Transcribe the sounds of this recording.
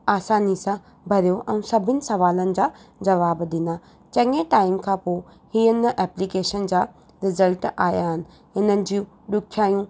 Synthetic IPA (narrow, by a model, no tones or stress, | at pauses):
aːsaːnisã | bʱɐɾijoʔɛ̃ũsɐbʱɪnɪ̆sɐʋaːlənɪ̆d͡ʑaː | d͡ʑɐʋaːbd̪ɪnd̪a | t͡ɕɐ̃ŋeʈaːɪmkʰãpoː | hiːənʔɛːplikeːʃənd͡ʑaː | ɾɪzəlʈaːjaːɦɪnɪ̆ | ɦɪnənɪ̆d͡ʑiũ | ɗʊkʰjaːjũ